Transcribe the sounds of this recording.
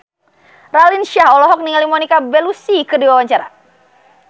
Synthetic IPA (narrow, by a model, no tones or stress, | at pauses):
ralinʃahɔlɔɦɔk̚niŋalimɔnikabɛlusikɨrdiwawaɲt͡ʃaɾa̰